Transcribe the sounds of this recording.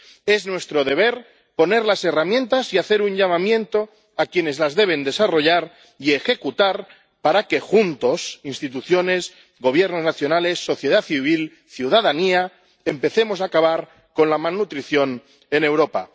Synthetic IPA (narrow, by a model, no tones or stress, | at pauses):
e̞znwe̞st̪ɾo̞ð̞e̞β̞e̞ɾ | po̞ne̞ɾlase̞ramjent̪asiaθe̞ɾuɲʎamamjẽ̞nt̪o̞ | akje̞ne̞zlazðe̞β̞e̞nd̪e̞saro̞ʎaɾ | ie̞xe̞kut̪aɾ | paɾake̞xunt̪o̞sinst̪it̪uθjo̞ne̞s | ɣo̞β̞je̞ɾno̞znaθjo̞nale̞sːo̞θjeðaθiβ̞il | θjuðaðania | empe̞θe̞mo̞saːkaβaɾ | ko̞nlamalnut̪ɾiθjo̞n | e̞ne̞wɾo̞pa̰